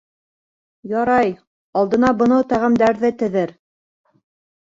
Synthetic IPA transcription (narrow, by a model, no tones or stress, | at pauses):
jɑɾɑj | ɑlˠd̪ɤ̆nɑbɤ̆nɤwt̪æʁɘ̆md̪æɾðɘt̪ɘ̆ðɘɾ